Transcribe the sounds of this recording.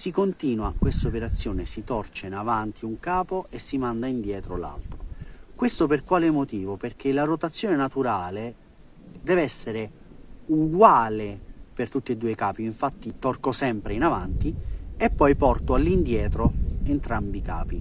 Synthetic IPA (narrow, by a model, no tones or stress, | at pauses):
sikont̪iːnwakwest̪opeɾat̪sːjoːnesit̪ɔrt͡ʃeinavant̪iuŋkaːpoesːimand̪aind̪jɛːt̪ɾola̰lt̪ɾokwest̪operkwaːlemot̪iːvoperk̟elarot̪at̪sːjoːnenat̪uɾaːle | d̪ɛːvɛsːeɾe | uɡwaːlepert̪ut̪ːid̪uːekaːpiːɱfat̪ːit̪ɔrkosɛmpɾeinavant̪iepːɔjpɔrt̪oalːind̪jɛːt̪ɾoent̪ɾambika̰ːpi